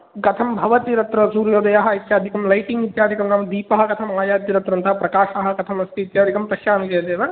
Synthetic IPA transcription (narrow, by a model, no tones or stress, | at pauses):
ɡɐt̪ʰɐmbʱɐʋɐt̪iɾɐt̪ɾɐsuːɾjoːd̪ɐjaːɦɐit̪jaːd̪ʱikɐmlɐjʈiŋɡit̪jaːd̪ʱikɐmnɐmɐd̪iːpɐɦɐɡɐt̪ʰɐmaːjaːt̪iɾɐt̪ɾɐnt̪ɐɦɐpɾɐkaːʃaɦɐɡɐt̪ʰɐmɐst̪iːt̪jaːd̪ʱikɐmpɐʃjaːnikeːɐd̪eːʋɐ